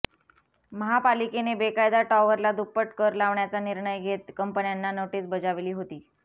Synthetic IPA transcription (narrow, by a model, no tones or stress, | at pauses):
məɦapalikenebekajd̪aʈɔʋəɾlad̪upəʈkəɾlaʋɳjat͡saniɾɳəjɡʱet̪kəmpənjanːanoʈisbəd͡zaʋeliːɦot̪iː